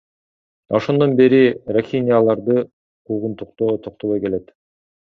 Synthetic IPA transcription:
o̞ʃo̞nd̪o̞nbe̞ɾiraxʲinʲijalˠɑɾd̪ɯ | qʰuʁunt̪uqt̪oːt̪ʰoq̚t̪olˠojke̞le̞t̪

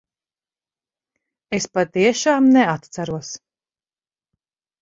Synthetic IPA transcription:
espat̪iɛʃaːmnɛat̪t̪saɾuɔs

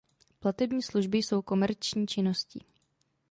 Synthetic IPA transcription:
plat̪ɛbɲiːsluʒbɪjso̞wko̞mɛɾt͡ʃɲiːt͡ʃɪno̞scḭ

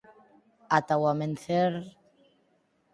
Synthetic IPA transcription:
atawamənθɛɾ

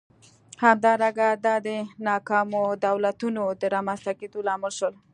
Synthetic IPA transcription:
hamd̪ɑɾaɡad̪ad̪enɑkɑmod̪awlat̪unod̪əɾamanst̪akit̪ulɑmɪlʃol

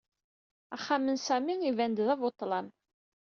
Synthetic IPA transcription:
æχːæmənsæmiŋivænd̪ðævot̪ˤːlɑn

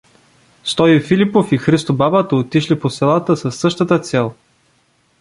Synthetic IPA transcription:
st̪ɔjifilipofixɾist̪obabat̪əot̪iʃliposɛlˠat̪əsɐsːɤʃt̪ət̪ət̪sɛlˠ

